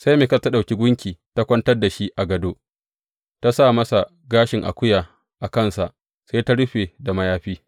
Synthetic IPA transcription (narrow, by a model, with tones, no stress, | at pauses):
sa˦jmeː˨kɐ˦˨ta˦ɗa˨kʲi˦ɡʷʊ˦ŋkʲiː˨ta˦kʷɐ˦ntɐ˦rda˨ʃi˦ʔa˨ɡɐ˨doː˦ | ta˦sa˦˨mɐ˦sa˨ | ɡaː˦ʃɪ˨ŋʔa̰˨kʷʊ˦jaː˨ | ʔa˨kɐ˦˨nsa˨ʔ | sa˦ta˦ɽʊ˦ɸe˨da˨mɐ˦jaː˦ɸiː˦